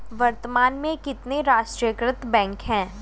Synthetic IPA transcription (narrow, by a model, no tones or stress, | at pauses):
ʋɐɾt̪əmaːnmẽkɪt̪neɾaːʃʈɾijəkɾɪt̪bɛ̃ːŋkɦɛ̃ː